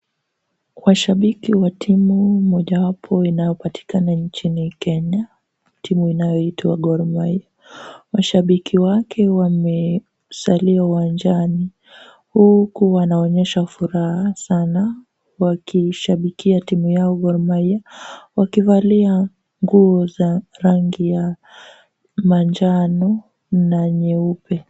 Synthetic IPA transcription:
waʃaɓikiwatʰimumɔʄawapʰɔinajɔpatʰi̥kanaɲt͡ʃinikɛɲa | timuinajɔitʰaa̰ɡɔɾmaja | waʃaɓikʰiwakʰɛwamɛ | saliauwand͡ʒani | hukuwanaɔɲɛʃafuɾahasana | wakiʃaɓikiatimujaɔɡɔɾmaiawakivalia | ŋɡuɔzaɾaŋɡija | mand͡ʒanɔ | naɲɛupɛ

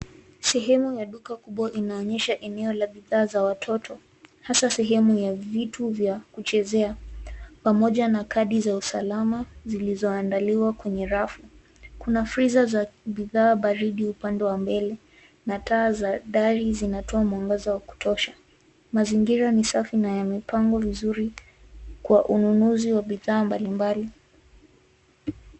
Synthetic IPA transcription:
sɛɦɛmujaɗukakuɓwaʔinaɔɲɛʃaʔɛnɛɔlaɓiðaːzawatʰɔtʰɔ | hasasɛɦɛmujavituvjakut͡ʃɛzɛapamɔʄanakaɗizausalamazilizɔandaliwakwɛɲɛɾafu | kunafɾizazaɓiðaːɓaɾiɗiupandɛwambɛlɛ | nataːzaɗaɾizinatɔamuaŋɡazawaku̥tʰɔʃḁ | maziŋɡiɾanisafinajamipaŋɡɔvizuɾi | kwaʔununuziwaɓiðaːmbalimbali

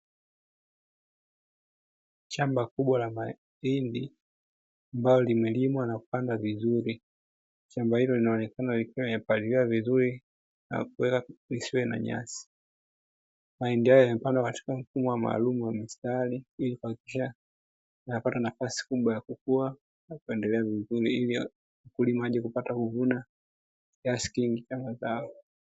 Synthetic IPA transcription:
ʃambakuɓwalama | indi | ambalɔlimɛlimwanakupandavizuɾi | ʃambahilɔlinaɔnɛkanalikmɛpaliliwavizuɾi | na̰kuwɛkalisiwɛna̰ɲa̰si̥ | maɛndiajɔjamɛpandakati̥kam̩fumɔwama̰ːlumuwamistaliilikuwakikiʃa | anapatanafasi̥kuɓwajakukua | nakuɛndɛlɛavizuɾiili | ukulimaaʄɛkupatakuvuna | kiasi̥kiŋɡit͡ʃambazaɔ

